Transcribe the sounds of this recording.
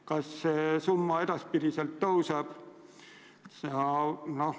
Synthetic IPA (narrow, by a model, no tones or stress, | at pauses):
kɑssesumːɑed̪ɑspit̪isielt̪tousɑˑp | sɑno